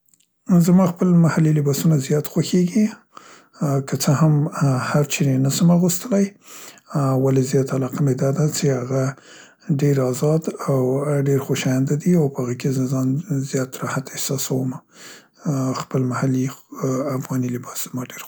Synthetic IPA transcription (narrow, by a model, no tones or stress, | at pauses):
zamɑxpəlmahalilɪbɑsunazjɑt̪xwaxeɡi | kət͡səhamhaɾt͡ʃenenasəmaɣust̪əlaj | walezjɑt̪alɑqamed̪ɑd̪at͡ʃehaɣa | ɖeɾɑzɑd̪awɖeɾxoʃɑjand̪ad̪iawpəhaɣəkezəzɑnzjɑt̪ɾɑhat̪ehsɑsawəma | xpəlmahaliafɣɑnilɪbɑsz̥əmɑɖeɾ